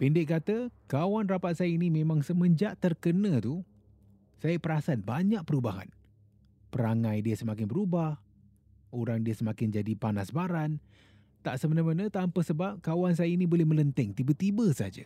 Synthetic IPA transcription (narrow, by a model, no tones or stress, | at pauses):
pindɪʔ̚kat̪əkawanrapat̪̚sajəinimẽmãŋsəmə̃ɲd͡ʒaʔt̪ərkənə̃t̪u | sajəpəɾasat̪̚baɲak̚pəɾubaɦa̰n | pəɾaŋãjdiəsəmakɪnbəɾubah | oɾaŋdiəsəmakɪnd͡ʒadipanasbaɾan | t̪aʔsəmənamanət̪ampəsəbap̚kawans̬ajainibolɛhmə̃lənt̪ɛŋt̪ibət̪ibəsaad͡ʒa̰